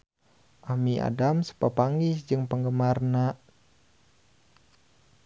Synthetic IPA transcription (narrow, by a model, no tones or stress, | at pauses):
ʔamiʔa̰damsə̥papaŋɡisd͡ʒɨŋpəŋɡəmarna